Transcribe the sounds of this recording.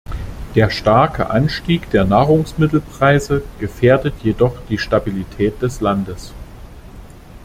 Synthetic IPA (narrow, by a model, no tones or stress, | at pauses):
d̥eːɐʃtaɐkʰə̰ʔanʃtiːkd̥eːɐnaːʁʊŋsmɪtl̩pʁ̥aɪzəɡ̥əfeːɐdətʰjedɔχd̥iːʃtabilitʰɛːt̚d̥ɛslandəs